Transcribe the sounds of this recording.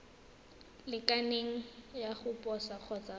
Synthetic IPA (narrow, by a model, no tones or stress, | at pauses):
lɪkaneŋ̩jaχʊpʼɔsak͡xʰɔt͡sa